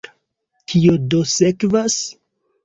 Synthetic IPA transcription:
kʰiodosekvas

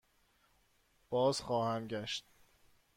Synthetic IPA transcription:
b̥ɒːz̥xɒːhæmɟæʃt̪̚

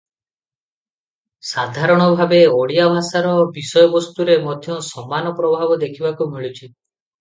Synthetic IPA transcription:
sad̪ʱaɾɔɽ̃ɔbʱabeoɽijabʱasaɾɔbisɔjɔbɔst̪uɾemɔd̪ʱjɔsɔmːanɔpɾɔbʱabɔd̪ekʰibakumiɭut͡ʃʰi

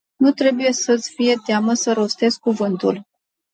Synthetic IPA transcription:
nut̪ɾe̞buje̞sət̪sʲfije̞t̪eaməsəɾo̞st̪e̞skuvɨnt̪ul

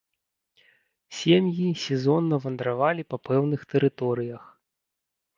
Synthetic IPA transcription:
sʲemjisʲɛzɔnːɐvɐnd̪ɾavalʲipɐpɛwnɨxt̪ɛɾɨt̪ɔɾɨjɐx

